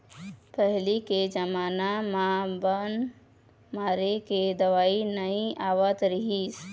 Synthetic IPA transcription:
pəɦliked͡ʒəmaːnamabən | maɾeked̪əʋaːinəĩaʋət̪ɾəɦis

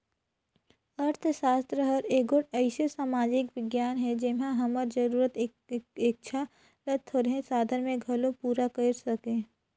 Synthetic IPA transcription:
əɾt̪ʰsaːst̪ɾəɦəɾeːɡoʈɐɪsesaːmaːd͡ʒɪkʋɪɡjaːnɦɛd͡ʒɪmɦãɦɐməɾd͡ʒɐɾuːɾət̪ | ɪk̚t͡ʃʰa | lət̪ʰoɾɦẽsaːd̪ʱənmẽɡʱɐlõpuːɾakɐɾsɐkẽː

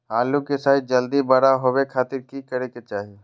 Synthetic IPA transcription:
aːlukesaːɪd͡ʒɐld̪ibɐɽaɦowekʰaːt̪ɪɾkikəɾeket͡ʃaːɦie

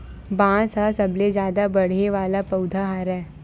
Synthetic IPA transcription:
bãːsasəbled͡ʒjaːd̪abɐɽ̤eʋaːlapɐʊd̪ʱaɦaːɾɛː

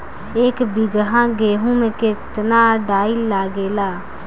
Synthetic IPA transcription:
eːkbɪɡɦãɡeːɦũmẽkɪt̪naɖaːilaːɡeːlaː

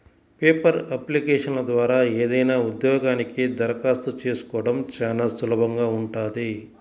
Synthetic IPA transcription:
peːpɐɾɐplikeːʂɐnlɐd̪ʋaːɾaːeːd̪ɐjnaːud̪jɔːɡaːnikid̪ɐɾɐkaːst̪ut͡ʃeːsu̥kɔːɐɽɐmt͡ʃaːnasulɐbɐŋɡaːuɳʈaːd̪i

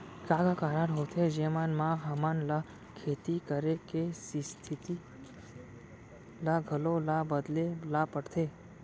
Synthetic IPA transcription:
kaːɡakaːɾaɽɦoːt̪ʰed͡ʒeːmanmakɦamanla | kʰeːt̪ikəɾekesist̪ʰɪt̪i | laɡʱəlolabəd̪lelapəɽt̪ʰeː

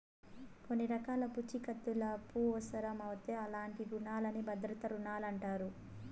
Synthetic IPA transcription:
ko̞nːiɾɐkaːlɐput͡ʃːikɐt̪ːulɐpuːʋɐsɐɾɐmɐʋut̪eːɐlaːɳʈiɾuɳaːlɐnibɐd̪ɾɐt̪ɐɾuɳaːlɐɳʈaːɾu

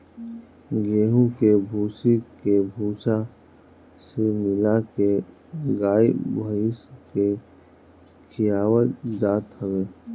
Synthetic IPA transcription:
ɡeːɦũkebʱuːsikebʱuːsa | semɪlake | ɡaːibʱəɪske | kʰɪjaːwət̪d͡ʒaːt̪həweː

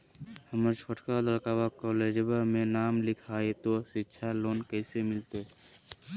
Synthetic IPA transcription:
həməɾt͡ʃʰoʈkad̪əlkaːwakɔːleːd͡ʒəbəɾmẽnaːmlɪkʰaːet̪oʃɪtːʃʰaloːnkɛːsemɪlt̪e

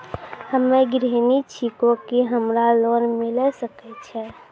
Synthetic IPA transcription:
həmeɡɾenit͡ʃʰikokiɦəmɾalonmilɛsəkɛt͡ʃʰɛ

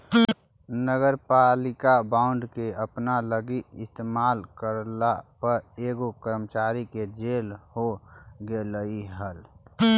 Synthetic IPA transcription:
nəɡəɾpalɪkabaːʊ̃ɳɖkeəpnaləɡiɪst̪emaːlkəɾlapəɾeːɡokəɾmət͡ʃaːɾiked͡ʒeːlhoɡeləiɦəl

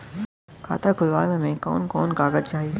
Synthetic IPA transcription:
kʰa̰ːt̪akʊlʋa̰ːɾmẽmẽkɔ̰ːnkɔːnkaːɡəd͡ʒt͡ʃaːɦie

